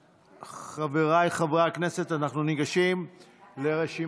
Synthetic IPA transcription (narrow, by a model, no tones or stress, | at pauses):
χaveʁajχavʁakne̞se̞t̪anaχnuniɡaʃimle̞ʁe̞ʃi